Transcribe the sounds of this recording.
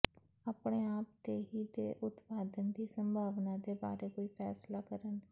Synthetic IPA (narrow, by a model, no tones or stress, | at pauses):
aːpɽ̃eːaːp̚t̪eːɦiːd̪ḛːʔʊt̪paːd̪ənd̪iːsə̃mbʱaːʋnãd̪eːba̰ːɾeːkoːiːfʰɛ̰ːslaːkəɾən